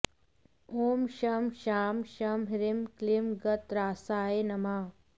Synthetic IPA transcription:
oːmʃɐmʃaːmʃɐmɦiɾimklimɡɐt̪ɾaːsaːenɐmaː

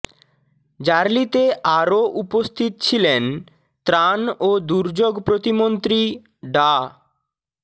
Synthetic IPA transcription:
d͡ʑaɾlit̪eʔaɾoʔupost̪ʰit̪̚t͡ɕʰilen | t̪ɾanod̪uɾd͡ʑoɡpɾot̪imont̪ɾi | ɖa

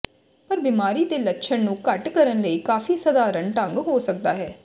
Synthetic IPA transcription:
pəɾbimaːɾiːt̪eːlətːʃʰənnũːkəʈkəɾənləiːkaːfiːsəd̪aːɾəɳʈə̃ŋɡɦoːsək̚d̪aːɦɛː

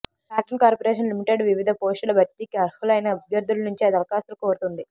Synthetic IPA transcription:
kaːʈɐnkaːɾpoɾeːʂɐnlimiʈeɖʋiʋid̪ʱɐpoːsʈulɐbɐʈ̪ːikiɐɾhulɐjnɐːbʱjɐɾd̪ʱulɐnuɲt͡ʃiɐd̪ɐɾɐkaːst̪ulukoːɾut̪und̪i

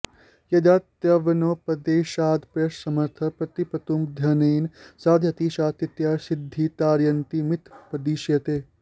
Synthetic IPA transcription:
jɐd̪aːt̪jɐʋɐnoːpɐd̪eːʃaːd̪pɾɐʃsɐmɐɾt̪ʰɐpɾɐt̪ipɐt̪umd̪ʱjɐniːnsaːd̪ʱjɐt̪iːʃaːt̪it̪jaːsɪd̪ʱːit̪aːɾjɐnt̪imɪt̪ʰpɐd̪iːʃjɐt̪eː

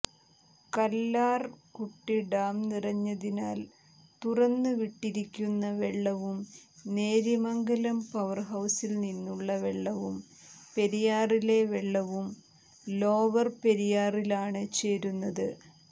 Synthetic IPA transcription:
kɐlːaːrkuʈːiɖaːmnirɐɲːɐðinaːl | t̪urɐnːɨʋiʈːiɾikʲːunːɐʋeɭːɐʋumne̞ːɾimɐŋɡɐlɐmpɐʋɐrɦɐwsilninːuɭːɐʋeɭːɐʋum | pe̞ɾijaːrile̞ʋeɭːɐʋum | lo̞ːʋɐrpe̞ɾijaːrilaːɳɨt͡ɕe̞ːɾunːɐðɨ

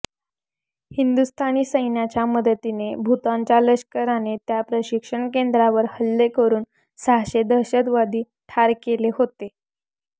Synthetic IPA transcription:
hind̪ust̪ʰaniːsəjnjat͡ɕjaməd̪ət̪inebʱut̪aɲt͡ɕjaləɕkəɾanet̪japɾəɕikʂəɳkend̪ɾaʋəɾhəlːekəɾuːn | saɦɕed̪əɕəd̪ʋad̪iː | ʈʰaɾkeleɦot̪e

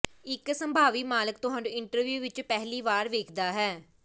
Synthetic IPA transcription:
ɪksəmbʱaːʋiːmaːləkt̪ʊɦãːɳɖɪɳʈəɾʋjuːʋɪt͡ʃpɛɦliːʋaːɾʋeːkʰd̪aːɦɛː

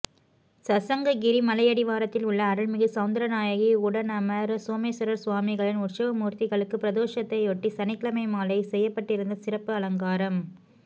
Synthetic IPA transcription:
sɐsɐŋɡɐɡɪɾimɐlɐɪjɐɽɪʋaːɾɐt̪ːɪlʊɭːɐːɾɯɭmɪɣɯsɐʋʊnd̪ɐɾɐnaːjɐɣiʊɽɐnɐmɐɾsoːmesɐɾɐɾsʋaːmɪɣɐɭɪnʊʈt͡ʃɐʋɐmuːɾt̪ɪɣɐɭɯkːɯpɪɾɐðoːʂɐt̪ːɐɪoʈːisɐnɪkːɭɐmɐɪmaːlɐɪsɛjːɐpːɐʈːɪɾɯnd̪ɐsɪrɐpːɯɐlɐŋɡaːɾɐm

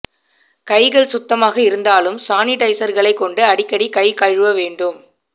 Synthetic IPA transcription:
kɐɪɣɐɭsʊt̪ːɐmaːɣɐɪɾɯnd̪aːlɯmsaːnɪʈɐɪsɐɾɣɐɭɐɪkːɔɳɖɯɐɽɪkːɐɽikɐɪkɐɻɯʋɐʋeːɳɖɯm

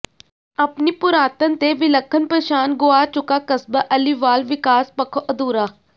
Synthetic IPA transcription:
əpniːpʊɾaːt̪ənt̪eːʋɪləkʰːənpɾəʃaːnɡʊaːt͡ʃʊkaːkəsbaʔəliʋaːlʋɪkaːspəkʰoːʔəd̪uːɾaː

